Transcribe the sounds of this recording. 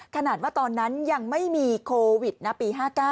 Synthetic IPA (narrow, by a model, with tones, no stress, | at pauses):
kʰa˧naː˨˩waː˥˩t̪ɔː˧nːa˦˥nja˧ŋma˥˩jmiː˧kʰoː˧wi˨˩t̪̚na˦˥pːiː˧ɦaː˥˩kaː˥˩